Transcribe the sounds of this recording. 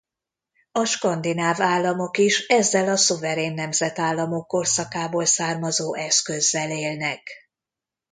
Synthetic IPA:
ɒʃkɒnd̪inaːvaːlːɒmo̞kiʃɛzːɛlɒsuvɛɾeːnːɛmzɛt̪aːlːɒmo̞kːo̞rsɒkaːboːlsaːrmɒzoːʔɛskø̞zːɛleːlnɛk

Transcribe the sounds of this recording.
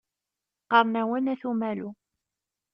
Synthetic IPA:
qɑɾˤnæwənæθumælu

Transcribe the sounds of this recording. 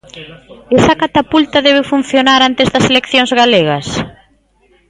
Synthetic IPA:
esakat̪apult̪ɐðɛβ̞efun̟θjonaɾant̪ezðɐselekθjoŋzɣaleɣɐs

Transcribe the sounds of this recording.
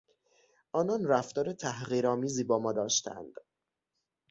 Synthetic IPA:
ʔɒːnɒːnræft̪ɒːɾet̪ʰæhɣiːɾɒːmiːziːbɒːmɒːd̪ɒːʃt̪ʰæ̰nd̪̥

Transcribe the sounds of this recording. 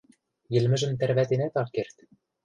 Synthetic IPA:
jɘ̆lmɘ̆ʒɘ̆mt̪ærβæt̪enæt̪ɑlkert̪

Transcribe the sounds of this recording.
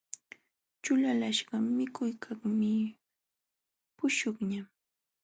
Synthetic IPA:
t͡ʃʊlalaʃɢɑmɪkʰʊjkʰaχmɪ | pʊʃʊχɲa

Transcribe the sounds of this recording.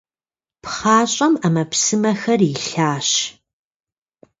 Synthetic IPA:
pχaːɕʼɐmɐmɐpsɨmɐxɐrɪɬaːɕ

